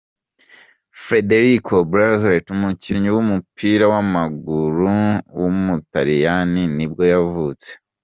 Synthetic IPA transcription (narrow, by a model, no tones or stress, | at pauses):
fɾe̞de̞ɾikʰobɾazɾetumuciɲuwumupʰiːɾawamaɡuɾuwumutaɾijaninib̚ɡo̞javut͡se̥